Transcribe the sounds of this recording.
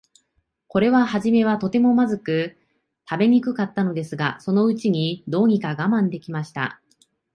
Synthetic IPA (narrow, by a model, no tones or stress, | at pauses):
ko̞ɾe̞β̞ahaʑime̞βat̪o̞t̪e̞mo̞mazɨkɯ̟ | t̪abe̞ɲ̟ikɯ̟kat̪ːano̞d̪e̞sɨɡaso̞no̞ɯ̟t͡ɕiɲ̟id̪o̞ːɲ̟ikaɡamãnd̪e̞kʲimaɕi̥t̪a̰